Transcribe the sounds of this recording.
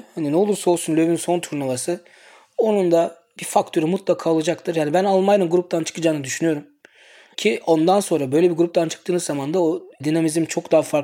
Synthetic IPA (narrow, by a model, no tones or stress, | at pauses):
haninɛo̞lˠuɾsaolˠsunlʲøvinso̞nt̪ʰuɾnavasɯ | o̞nund̪a | bifakt̪ʰø̞ɾimut̪lˠakʰaːolˠad͡ʒak̚t̪ʰɯɾjaːnibænalˠmaj̪ɯnɡuɾup̚t̪ʰant͡ʃʰɯ̥kʰɯd͡ʒaːnɯd̪yʃynyjo̞ɾum | cʰio̞nd̪anso̞nɾabø̞jlʲɛbiɾɡuɾupt̪ant͡ʃʰɯ̥k̚t̪ʰɯːnɯzamand̪aod̪inamizimt͡ʃʰo̞kd̪aːfaɾk